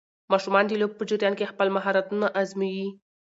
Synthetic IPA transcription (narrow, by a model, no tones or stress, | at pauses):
mɑʃumɑnd̪əlob̚pəd͡ʒɪɾjɑnkexpəlmaɦɑɾat̪unaʔazmiwi